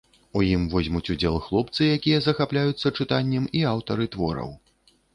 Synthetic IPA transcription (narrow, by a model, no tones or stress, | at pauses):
ujimvɔzʲmut͡sʲud͡zʲɛlˠxlˠɔp̚t̪sɨjakʲijɐzɐxaplʲajut̪sːɐt͡ʂɨt̪anʲːɛmiawt̪ɐɾɨt̪vɔɾɐ̰w